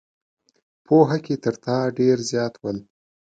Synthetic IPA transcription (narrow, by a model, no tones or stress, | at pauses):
pʰoɦakʲet̪əɾt̪ɑɖeɾzjɑt̪ʰwəl